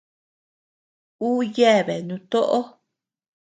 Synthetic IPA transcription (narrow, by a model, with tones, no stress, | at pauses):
uː˦je˦˨βe˨nũ˧t̪o˦ʔo˦